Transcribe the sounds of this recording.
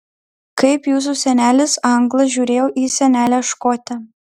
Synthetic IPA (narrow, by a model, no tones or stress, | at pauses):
kɐɪpjuːs̬usʲɛnʲæːlʲɪsɐŋɡlˠɐʒʲuːɾʲeːjoːʔiːsʲɛnʲæːlʲæʃkoːt̪ʲɛ